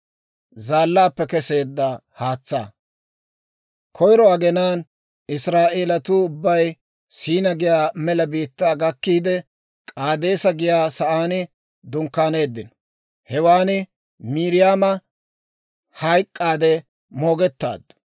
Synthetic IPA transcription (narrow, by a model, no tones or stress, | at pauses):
zaːlːaːpːɛkɛse̞ːd̪ːɐhaːt͡sːa̰ː | kʰɔjɾɔɐɡɛnaːn | ɪsɾaːʔeːlɐt̪uːʊbːɐj | siːnɐɡɪjaːmɛlɐbiːt̪ːaːɡɐkːiːd̪ɛ | kʼaːd̪e̞ːsɐɡɪjaːsɐʔaːnɪ | d̪ʊŋkːaːne̞ːd̪ːɪnɔ̥ | hɛwaːnɪ | miːɾɪjaːmɐ | hɐjkʼːaːd̪ɛ | mo̞ːɡɛt̪ːa̰ːd̪ːʊ̥